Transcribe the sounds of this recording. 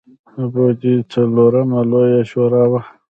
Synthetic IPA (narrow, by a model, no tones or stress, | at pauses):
abod̪it͡saloɾamalojaʃoɾaːwa